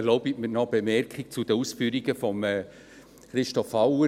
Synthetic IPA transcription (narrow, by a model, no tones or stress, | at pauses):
loʊbitmɪnɔb̥emɛrkʰɪk̚t͡sud̥əuːsfyːɾiɡəfɔmɛː | χɾɪʃtɔfawə